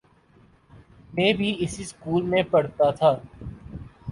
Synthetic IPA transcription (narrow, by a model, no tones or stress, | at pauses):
mẽːbʱiɪsiskuːlmẽpɐɽ̤t̪at̪ʰaː